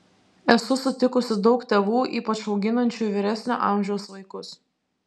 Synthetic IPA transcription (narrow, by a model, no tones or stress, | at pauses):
ɛsʊsʊt̪ʲɪkʊsʲɪd̪ɒʊkt̪ʲeːʋuːʔiːpɐt͡ʃɒʊɡʲɪnɐnʲt͡ʃʲuːiʋʲɪɾʲæsʲnʲṵʔɑˑmʲʒʲɛʊsʋɐɪkʊs